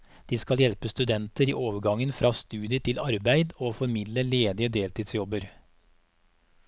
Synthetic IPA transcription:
d̪̥iːskɑljɛlpəst̪ʉd̪ɛnt̪əɾḭːʔoːʋəɾɡɑŋənfɾɑːst̪ʉːd̪ɪəʈ̪ɪlɑɾbæɪd̪oːfɔɾmɪd̪ləleːd̪ɪəd̪eːlt̪ʰiːd̪sjɔbəɾ

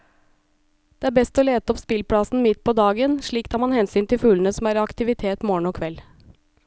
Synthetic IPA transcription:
d̪̥eɛːæːbɛst̪oːleːt̪əɔpspɪlpʰɽɑsn̩mɪt̪pʰɔd̪ɑːɡənʂɭiːkt̪ʰɑːɾmɑnhɛnsyːnt̪ʰɪlfʉːlən̩əsɔmæːɾɑkt̪ɪʋɪt̪ʰeːt̪mɔːɳ̩ɔkʰʋɛl

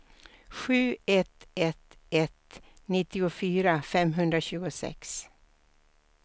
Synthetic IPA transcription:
ɧʉ̟ːɛt̪ɛt̪ɛt̪ | nɪt̪ːɪʊfyːɾafɛmɦɵnd̪ɾaɕʉ̟ːɡʊsɛ̰ks

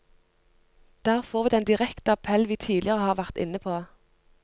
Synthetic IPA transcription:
d̪̥æːʁfɔʁʋiːd̪ɛnd̪ɪʁɛkt̪əɑpʰɛlʋiːt̪ʰiːd̪lɪəʁəhɑːʁʋæʁt̪ɪ̰nəpʰoː

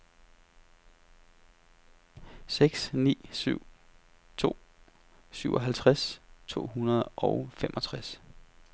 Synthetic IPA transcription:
seɡ̥snḭːsyʊ̰ | t͡sʰo̝̰ː | syʊʔɒ̽ɦælt͡sʰʁast͡sʰo̝̰ːɦunɐðˠʔɒʊfemʔɒ̽t͡sʰʁas

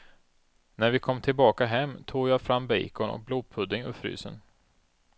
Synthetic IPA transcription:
næɾvɪkʰɔmːt̪ʰɪlbɑːkaɦɛmːt̪ʰuːɡjɑːfɾamːbɛ̰jkɔnɔ̰k̚bluːd̪̚pʰɵd̪ːɪŋɵ̰fɾy̰ːsə̰n

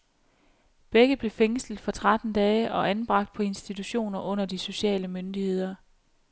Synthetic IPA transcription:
b̥eɡ̥əðb̥le̝feŋsl̩d̥fɒ̽t͡sʰʁad̥n̩d̥ɛːəʔɒ̽ʔænb̥ʁɑ̈ɡ̥̚d̥̚pʰɒ̽e̝nsd̥it͡sʰuɕo̝̰ːnɐʔɔ̽n̰ɐd̥iso̝ɕɛ̰ːləmønd̥ihe̝ð̰ˠɐ

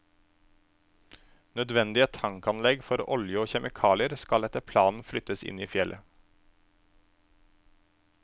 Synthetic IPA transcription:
nœd̪ʋɛnd̪ɪət̪ʰɑŋkɑnlɛɡfɔɾɔ̰ljəoːçɛmʔɪkʰɑːlɪəɾskɑlɛt̪əpʰlɑːnn̩flʏt̪əsɪ̰niːfjɛlʔə

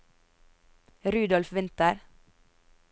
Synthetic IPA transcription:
ɾʉːd̪ɔlfʋɪnt̪əɾ

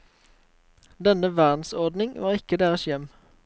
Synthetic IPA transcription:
d̪ɛnəʋæʁd̪n̩sɔʁd̪nɪŋʋɑːʁɪkəd̪eːʁəsjɛm

